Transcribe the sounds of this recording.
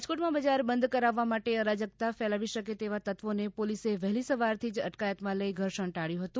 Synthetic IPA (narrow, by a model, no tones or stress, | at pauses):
d͡ʒkoʈmãbəd͡ʒaɾbənd̪kəɾaʋːamaʈeəɾad͡ʒəɡ̚t̪afɛlaʋiʃəket̪eʋat̪ət̪ʋonepoliseʋɛɦlisəʋaɾt̪ʰid͡ʒə̰ʈkajət̪mãləiɡʱəɾʃəɳʈaɽjũɦət̪ũ